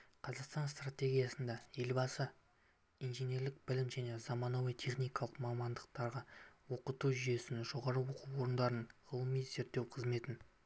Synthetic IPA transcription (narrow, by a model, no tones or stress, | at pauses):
qʰɑzɑqst̪ɑnst̪rat̪ʲe̞ɡʲijasənd̪ɑje̞lbɑsə | ijnʒene̞ɾlɪk̚b̥ɪlɪmʒæne̞zɑmɑnɑwəjt̪ʰe̞χnijkɑlˠəqmɑmɑnd̪əq̚t̪ɑɾʁɑwo̞qət̪uʒyje̞sɪnʒo̞ʁɑɾəwo̞quwo̞ɾənd̪ɑɾənʁəlˠəmijze̞ɾt̪ːe̞wqʰəzme̞t̪ɪn